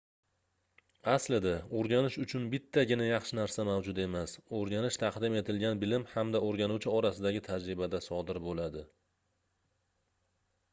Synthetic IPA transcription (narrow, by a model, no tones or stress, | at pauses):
aslɪd̪ɪoɾɡʲanɪʃʊt͡ʃʰʊnbɪt̪ʰːaɡʲɪnajɑχʃɪnaɾsamawd͡ʒʊd̪e̞masoɾɡʲanɪʃt̪ʰɑqd̪ɪme̞t̪ʰɪlɡʲanbɪlɪmhamd̪aoɾɡʲanuwt͡ʃʰɪɒɾasɪd̪aɡʲɪt̪ʰad͡ʒɾɪbad̪asɒd̪ɪɾbolad̪ɪ